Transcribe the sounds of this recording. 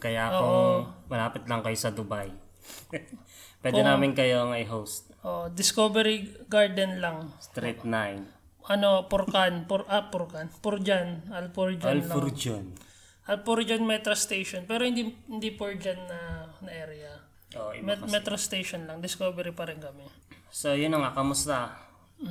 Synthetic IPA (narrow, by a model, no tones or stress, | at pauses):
kɐjaʔoomɐlaːpɪt̪lɐŋkɐjosɐd̪ʊbaj | pwɛːpdɛnaːmɪnkɐjoɐŋaɪɦowst̪̚ʔoːʔod̪ɪskobɛɾiɡaɹd̪ɛnlaŋst̪ɾip̚najn | ʔɐnopʊɾkanpoɾʔapʊɾkanpʊɾd͡ʒanɐlpoɹd͡ʒɐllaoɾd͡ʒon | ʔɐlpoɾd͡ʒɐnmɛt̪ɾɐst̪ejʃonpɛːɾohɪnd̪ihɪnd̪ipoɹd͡ʒɐnːɐnɐʔɛːɾɛɐ | ʔoʔmmɛt̪ɾost̪ejʃonlɐŋd̪ɪskoːbɛɾipɐɾɪnkɐmɛ | sojʊnːɐŋakɐmʊst̪a